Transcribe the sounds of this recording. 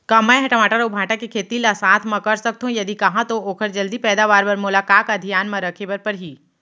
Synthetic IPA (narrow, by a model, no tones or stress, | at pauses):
kɐmaeɦɛʈmaːʈəɾʊbʱãːʈakikʰeːt̪ilasaːt̪ʰmɐ̃kɐɾsɐk̚t̪ɦũjɐd̪ikɐɦãt̪ooːkʰəɾd͡ʒɐld̪ipɛːd̪aːʋaːɾpɐɾmʊlaːkaːkɐd̪ʱijaːnmɐ̃ɾɐkʰebəɾpɐɾɦiː